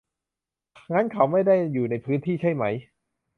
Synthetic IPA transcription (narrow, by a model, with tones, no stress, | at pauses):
ŋa˦˥nkʰa˦˥wma˥˩jda˥˩jːuː˨˩na˧jpʰɯː˦˥nt̪ʰiː˥˩t͡ɕʰa˥˩jma˦˥j